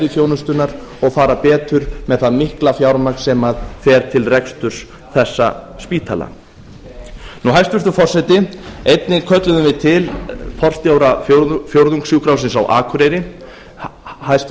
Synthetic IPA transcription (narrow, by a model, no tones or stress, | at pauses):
ɾɪfjoːwnʏst̪ʏnaɾ | ɔɣfaːɾapɛːt̪ʏɾmɛðθaðmɪhklafjawɾmaksɛmaðfɛːɾ̥t̪ʰɪlrɛkst̪ʏɾ̥s | θɛsːa̰spiːt̪ʰala̰ | nuɦajst̪vɛɾt̪ʏfɔrsɛt̪ɪejt̪nɪkʰœt̪lʏðʏvɪt̪ʰɪlpʰɔr̥st̪jaːwɾaffjowɾðuŋksjuwkɾawsɪnsawʔaːkʰʏɾejɾɪ | hajst̪